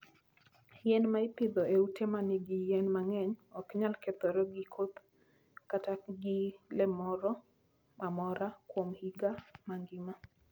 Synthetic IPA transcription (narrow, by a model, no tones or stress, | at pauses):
jɛnmaɪpɪd̪ɔeutemanɪɡɪjɛnmaŋɛɲɔkɲalket̪ɔɾɔɡɪkʰot̪ | kataɡɪlɛmɔɾɔ | mamɔɾakwomhiɡamaŋɡɪma